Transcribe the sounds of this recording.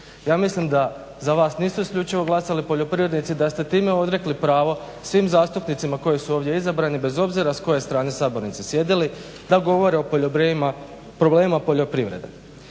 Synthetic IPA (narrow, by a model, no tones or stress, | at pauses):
jaːmislimd̪a | zaʋaːsniːsuiskʎʲut͡ʃiʋo̞ɡlˠasalipoʎo̞pɾiʋɾed̪nit̪sid̪ast̪e̞t̪iːme̞o̞d̪ɾe̞klipɾaːʋo̞ | sʋiːmzaːst̪upnit̪simako̞jisuoːʋd̪je̞izabɾaːnibe̞zo̞bziɾasko̞jest̪ɾaːnesaːbo̞ɾnit̪sisje̞d̪ili | d̪aɡo̞ʋo̞ɾeopooma | pɾobleːmimapo̞ʎo̞pɾiʋɾe̞̰d̪ḛ